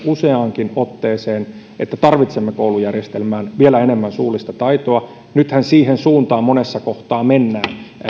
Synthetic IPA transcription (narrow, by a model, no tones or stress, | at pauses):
useɑŋkinot̪ːeːseːn | ʔet̪ːæt̪ɑrʋit̪semːekoulujærjest̪elmæːnʋielæenemːænsuːlist̪ɑt̪ɑit̪oɑ | nyt̪hænsiːhensuːnt̪ɑːmmonesːɑkoht̪ɑːmenːæːn